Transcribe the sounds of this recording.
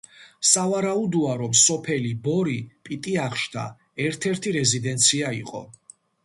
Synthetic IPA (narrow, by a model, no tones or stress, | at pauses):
savaɾaud̪uaɾɔmsɔpʰɛlibɔɾipʼit̪ʼiaχʃd̪ʰa̰ | ɛɾt̪ʰɛɾt̪ʰiɾɛzid̪ɛnt̪sʰiaiqʼɔ̰